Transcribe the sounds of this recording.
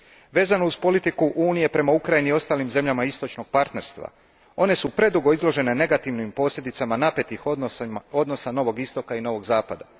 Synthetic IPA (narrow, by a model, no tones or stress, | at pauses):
ʋe̞ːzanouzpo̞lit̪ikuʔuːnije̞pɾe̞maukɾajinio̞st̪aːlimze̞mʎamaist̪ot͡ʃno̞ɡ̥̚paɾt̪ne̞ɾst̪ʋa̰ | o̞ne̞supɾe̞d̪uɡo̞izlo̞ʒe̞ne̞ne̞ɡat̪iʋnimpo̞ːsʎʲe̞d̪it̪samanape̞t̪ixo̞d̪no̞sano̞ʋo̞ɡist̪o̞kaino̞ʋo̞ɡzaːpad̪a̰